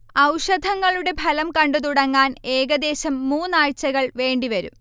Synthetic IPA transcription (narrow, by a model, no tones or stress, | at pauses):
ɐwʂɐd̪ʱɐŋːɐɭuɽe̞bʱɐlɐmkɐɳɖɨt̪̬uɽɐŋːaːne̞ːɡɐd̪e̞ːɕɐmːuːnːaːɻt͡ɕːɐɣɐɭʋe̞ːɳɖiʋɐɾṵm